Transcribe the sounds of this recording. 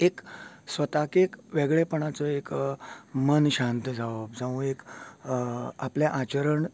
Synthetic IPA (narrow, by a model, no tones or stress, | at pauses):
ek | sʋət̪akekʋeɡɭepəɳ̃at͡sɔek | mənɕãnt̪d͡zʱaʋəb̚d͡zaʋũek | apljaʔat͡ɕəɾəɳ